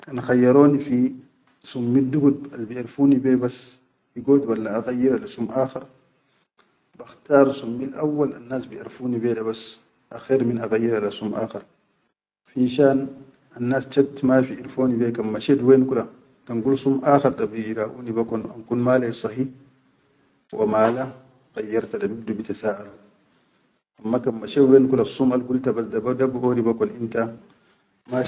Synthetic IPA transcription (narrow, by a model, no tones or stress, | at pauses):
kanxajːaɾoːnifi | sumːiduɡud̚albiaɾfuːnibebas | jiɡoːdwalːaːɣajːiɾalasumʔaːxaɾ | baxtaːɾsumːilʔawːala̰nːaːsbiʔaɾfuːnibɛdabas | ʔaxeːɾminaɣajːiɾalasumʔa̰ːxeɾ | finʃaːn | anːast͡ʃak̚tmafiiɾfoːnivɛkamːaʃɛdwɛnkula | kanɡulsumʔaxaɾɗabiɾaʔṵːnibakɔna̰nkunmaːlasˤɑhi | wʔamaːla | ɣajːaɾtadabib̚dubitasaʔalu | ʔamːakamːaʃɛdwɛnkulasumalɡultabasdabdabuonibakɔninta | ma